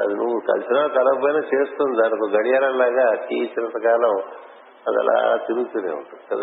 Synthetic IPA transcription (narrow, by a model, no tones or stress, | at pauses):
ɐ̰d̪inuʋukɐ̰lsinaːt̪ɐlɐpɐjnɐt͡ʃeːst̪und̪aːnɐkuɡɐɽijaːɾɐlaːɡakiːt͡ʃɐɾɐt̪ɐkaːlɐm | ɐd̪iɛ̰la̰ːt̪iɾuɡt̪uːnḛːṵɳʈud̪it͡ʃɐd̪